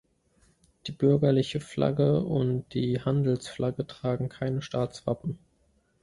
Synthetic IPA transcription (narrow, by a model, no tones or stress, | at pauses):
d̥iːbʏɐɡɐlɪçəfla̰ɡəʊntd̥iːhandl̩sflʔaɡətʁ̥aːɡŋ̩kʰaɪnəʃtaːt͡sv̥a̰pm̩